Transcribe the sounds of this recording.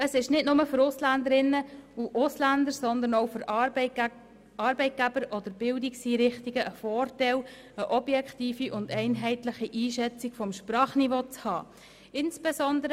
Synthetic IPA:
əsɪʃnɪtnʊməfʏɾʊslænd̪əɾɪnːəuʔʊslændəɾsɔnd̪ənowfʏɾ | ɑɾbɛɪt̚ɡ̥æbəɾʔɔd̥̪əɾbɪldɪksiːɾɪχtiɡ̥əʔəfɔːrtɛl | əʔɔbjɛktiːfiʔʊndɛɪnɦɛɪtlɪχiʔiːʃɛt͡sɪɡ̥fɔmʃprɑːχnivoːt͡shɑ̰ː | ɪnsbɛsɔndəɾə

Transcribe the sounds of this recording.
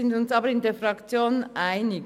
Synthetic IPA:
ɪndʊnsɑːbəɾɪndeːɐfʁɑkt͡sjoːnʔaɪnɪɡ

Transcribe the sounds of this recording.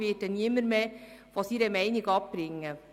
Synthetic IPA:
vedəniəməɾmeː | fosiɾəmɛɪnɪɡɑp̚b̥ɾɪŋːə

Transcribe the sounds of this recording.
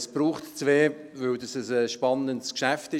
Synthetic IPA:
sb̥ɾuːχtt͡sʋeːvɵldɑsəsəʃpɑnəntskʃæftɪ

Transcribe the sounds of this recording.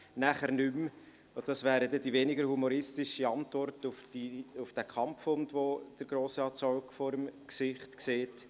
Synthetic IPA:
næχəɾnʏm | od̥ɑsvæːɾədɛdivenɪɡəɾhumɔɾɪstɪʃəɑntvɔrtʊfdiʊfd̥ækʰɑmfʊndʋod̥əɾɡ̥ɾoːsɑːtsɔlkfɔɾəmksɪχtkseːt

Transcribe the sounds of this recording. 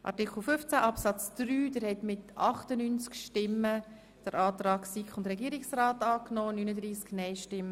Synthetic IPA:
ʔɑ̰ɾtɪkʰl̩ˠfʏft͡sæʔɑpsɑt͡sd̥ɾyːd̥əɾhɛtmɪtɑχtənyːnt͡skʃtɪmːə | d̪̥əɾɑːtrɑːksikχʊndɾɛɡiːɾɪksraːtɑːknoːnynəd̪ɾiːsknɛɪʃtɪmːə

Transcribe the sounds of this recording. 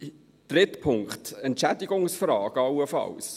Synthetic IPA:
d̪̥ɾɪtpʰʊŋkχtɛntt͡ʃæd̪ɪɡʊŋsfrɑːɡ̥ɑwəfɑ̰ws

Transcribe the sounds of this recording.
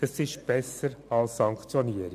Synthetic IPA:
ɛsɪʃt̚b̥ɛsəɾɑlsːɑŋkt͡sjoniːəɾ

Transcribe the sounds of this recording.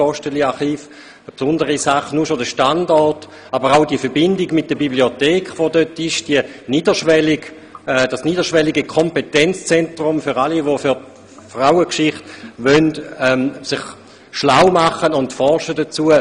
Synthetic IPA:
ɔʃtəliaχiːf | əpsʊndəʁisaχnuʃodəʃtandɔɐt | abəʁaʊdiəfɛɐbɪndɪɡmɪt̚d̥əbibliotɛːkχʋodøtɪʃd̥iəniːdəʃʋɛlɪɡ̥ | d̥asniːdəʃʋɛliɡəkʰɔmpetɛnt͡st͡sɛntʁʊmfʏʁaliʋofʏt | fʁaʊəkʃɪχtʋœntɛmsɪχ | ʃlaʊmaχənʊntfɔʁʃədət͡suə

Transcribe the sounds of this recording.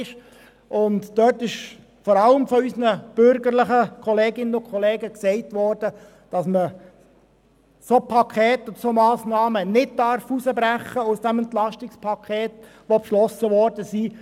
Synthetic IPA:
ʃ | ʔʊndd̥œtɪʃ | fɔɾɑləmfɔysənəb̥ʏɾɡəɾlɪχəkʰɔleːɡɪnːənʊkʰɔleːɡəksɛɪtʋɔːɾd̥ə | d̥ɑsmə | sopʰɑkʰɛːtod̪əsomɑːsnɑːmənɪddɑɾfusəbɾæχːəʊsd̥ɛmɛntlɑʃtɪkspʰɑkʰeːt | ʋopʃlɔsəʋɔrdəsi

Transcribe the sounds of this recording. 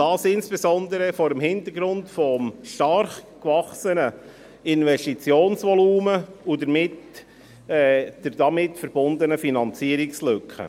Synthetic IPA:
d̥ɑːsɪnsb̥ezɔndəɾəfɔɾəmɦɪntəɾɡɾʊntfɔmʃtɑrχkvɑχsənə | ɪnvɛʃtit͡sjoːnsʋɔluːməudəɾmɪt | ɛd̥əɾdɑmɪtfəɾb̥ʊnd̪ənəfinɑnt͡siəɾɪkslʏkχə̰

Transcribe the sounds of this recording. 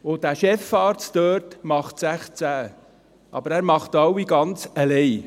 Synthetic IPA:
od̥æʃɛfɑːɾt͡søːɾtmɑχtsæχt͡sæ | ʔɑ̰bəɾæːɾmɑχtɑwiɡɑnt͡səlɛj

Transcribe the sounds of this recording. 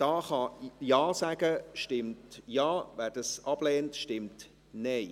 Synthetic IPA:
d̥ɑːχɑjɑːsæɡəʃtɪmtjɑːvæːd̥ɑsɑb̥lɛːntʃtɪmt | nɛɪ

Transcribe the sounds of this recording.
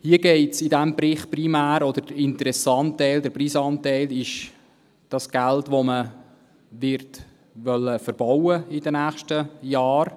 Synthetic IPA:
hiəɡ̥ɛɪtsɪdæmbɾɪχprimæːɾɔd̪əɾdɪnt̪əɾɛsɑntɛɪld̪əɾpriːsɑːntɛɪlɪʃ | d̥ɑsɡ̥æltʋomə | ʋɪɾt | ʋœlːəfəɾb̥ɔwəɪdənæːχʃtəjɑːr

